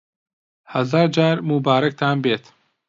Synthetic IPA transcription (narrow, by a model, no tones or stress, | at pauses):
hɐzaːɾd͡ʒaːɾmubaːɾɐk̚t̪ʰaːnbeːt̪